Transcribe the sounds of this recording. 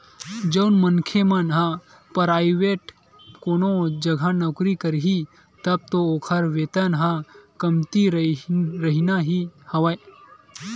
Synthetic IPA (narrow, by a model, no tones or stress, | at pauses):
d͡ʒɐwnmɐnkʰemɐnɦã | pɐɾaːjʋeʈ | koːnod͡ʒɐɡʱanɐkɾikəɾɦi | t̪ɐb̚t̪ooːkʰɐɾʋet̪ɐnɦãkɐmt̪iɾɾɐɦinaɦihɐʋaj